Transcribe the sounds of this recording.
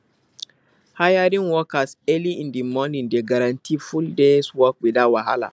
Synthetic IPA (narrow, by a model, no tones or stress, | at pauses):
hajaɾɪŋwɔkasɛliʔɪndimɔnɪ̃ndeɡɐɾantʰiːfʊldeswɔk̚ɡ͡bʷɪdawaɦa̰la̰